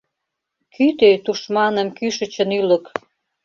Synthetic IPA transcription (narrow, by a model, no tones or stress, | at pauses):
kyt̪øt̪uʃmɑnə̆mkyʃə̆t͡ɕə̆nylə̆k